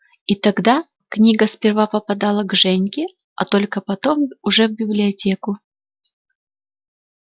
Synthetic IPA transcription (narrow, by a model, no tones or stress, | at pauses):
it̪ɐɡd̪a | knʲiɡəspʲɪrvapəpɐd̪alˠəɡʐɛnʲkʲɪ | ɐ̰t̪o̞lʲkəpɐt̪o̞mʊʐɛvbʲɪblʲɪɐtʲekʊ